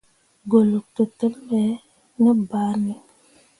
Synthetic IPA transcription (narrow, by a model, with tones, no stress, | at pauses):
ɡo˨lu˨k̚tə˨tə˦mbɛ˨˦ | nə˦ba˨˦ɾni˦